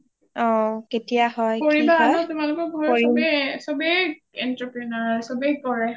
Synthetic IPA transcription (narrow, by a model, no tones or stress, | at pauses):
ɔ̃ketijahɔjkoɹibaasɔ̃tʊmalʊkɔɹbʱɔjoɹiɛsobej | ɛntapɹɛnaɹsobejkɔɹɛ